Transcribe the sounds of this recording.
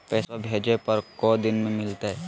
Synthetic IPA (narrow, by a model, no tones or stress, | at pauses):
pɛːsobʱeːd͡ʒepɐɾkod̪ɪnmẽmɪlt̪aɦɛː